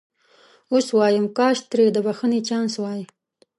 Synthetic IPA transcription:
oswɑjəmkɑːʃt̪ɾed̪əbaxənet͡ʃɑnswɑji

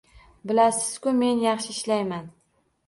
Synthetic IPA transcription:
bɪlasɪz̥kʲʊme̞njɑχʃɪɪʃlajman

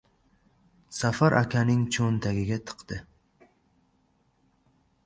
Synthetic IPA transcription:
safaɾʔa̰kʲʰanɪŋt͡ʃʰont̪ʰaɡʲɪɡʲat̪ʰɨ̥qt̪ɪ

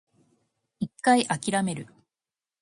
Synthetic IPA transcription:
ikːaiʔakʲiɾame̞ɾɯ̟

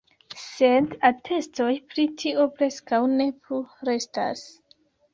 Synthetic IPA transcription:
se̞datʰe̞sto̞jpɾitʰiʔo̞pɾe̞skawne̞pluɾe̞sta̰s

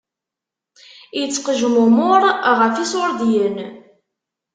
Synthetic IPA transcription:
jət͡sːqəʒmʊmʊɾˤʁəfisʊɾd̪jən

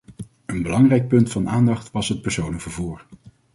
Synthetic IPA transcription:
ənbəlɑŋrɛjk̚pɵntfɑnʔaːndɑχtʋɑsɦət̚pəɹsownəkv̥əɹvuːɹ

